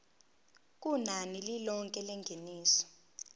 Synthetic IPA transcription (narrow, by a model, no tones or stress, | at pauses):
k̬ʼunanililɔŋkʼɛlɛŋɡʱeniːsɔ̥